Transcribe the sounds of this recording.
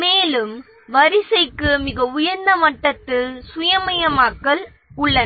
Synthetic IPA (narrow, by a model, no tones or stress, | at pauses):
meːlɯm | ʋɐɾɪsɐɪkːɯmɪɣɐʊjɐɾnd̪ɐmɐʈːɐt̪ːɯsʊjɐmɐjɐmaːkːɐl | ʊɭːɐn